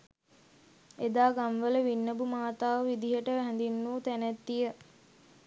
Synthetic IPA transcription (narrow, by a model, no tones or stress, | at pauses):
ed̪aːɡamʋələʋinːəbumaːt̪aːʋəʋid̪iɦəʈəʋæɦɛ̃nd̪inːuːt̪ænæt̪ːijə